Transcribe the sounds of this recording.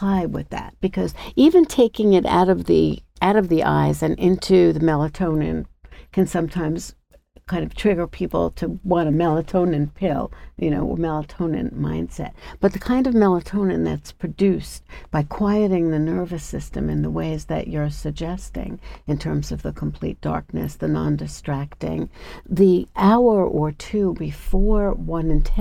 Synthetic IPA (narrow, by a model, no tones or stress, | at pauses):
aɪd̚wɪ̰ðæ̰t̚b̥ɨkʰʌzivɨ̃ntʰeɪkɪ̃ŋɨɾa̰ʊɾʌvðḭʔaʊɾʌvðiʔa̰ɪzɨ̃nʔɪ̃ntʰʉðɨmɛlˠətʰõʊ̃nɨ̰̃nkʰɨ̃nsʌ̃mtʰãɪ̃mz̥ | kʰãɪ̃ndʌv̥tʰɹ̥ɪɡə˞pʰipl̩ˠtʰɨwɑ̃ɾ̃ɨmɛlˠətʰõʊ̃nɨ̃npʰɪlˠjɨno̰ʊə̰mɛlˠətʰõʊ̃nɨ̰̃nmã̰ɪ̃nd̥sɛ̰t̚b̥ʌt̪̚ðɨkʰãɪ̃ndʌvmɛlˠətʰõʊ̃nɨ̃nðɨ̰tspʰɹ̥ɨdʉsb̥aɪkʰw̥aɪɨɾɪ̃ŋðɨnɜ˞vɨsɪstɨ̰̃mɨ̰̃nðəweɪzðɨ̰t͡ʃə˞sɨɡ̚d͡ʒɛstɪ̰̃ŋɨ̃ntʰɜ̃˞mzʌvðɨkʰm̩pʰl̥ḭt̚d̥ɑ̰ɹk̚nɨ̰sðɨnɑ̰̃ndɨstɹ̥æk̚tɪ̰̃ŋðiʔaʊə˞ʔə˞tʰʉbɨfɔɹwʌ̃nɨ̃ntʰ